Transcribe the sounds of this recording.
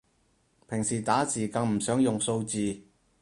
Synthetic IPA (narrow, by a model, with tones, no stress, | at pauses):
pʰɪ˨˩ŋsiː˨˩t̪aː˨˥siː˨˩kɐ˧˥ŋm̩˨˩sœː˨˥ŋjʊ˨ŋso˧wt͡siː˨˧